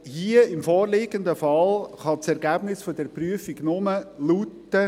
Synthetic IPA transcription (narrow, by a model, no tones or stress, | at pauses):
hiəɪmfɔːrlɪɡənd̪əfɑlχɑt͡sɛɾɡæb̥nɪsfodɛɾpryəfiɡnʊməlutːə